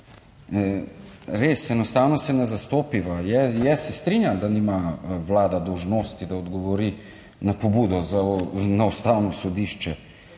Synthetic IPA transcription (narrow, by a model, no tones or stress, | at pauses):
ɾesɛnɔst̪aːwnɔsɛnɛzast̪oːpiʋajɛjɛsɛst̪ɾinjamd̪animaʋlaːd̪ad̪owʒnoːst̪id̪aɔd̪ɡɔʋɔɾi | napobud̪ɔzanaust̪awnɔsɔd̪iːʃt͡ʃɛ